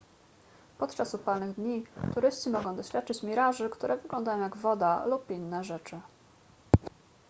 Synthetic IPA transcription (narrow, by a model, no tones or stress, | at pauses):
pɔt̪t͡ʂasupalnɘɣd̪ɲit̪uɾɘst͡ɕimɔɡɔ̃w̃d̪ɔɕfʲat̪̚t͡ʂɘt͡ɕmʲiɾaʐɘkt̪uɾʔɛvɘɡlɔ̃nd̪ajɔ̃w̃jaɡvɔd̪alupinːɛʐɛt͡ʂɘ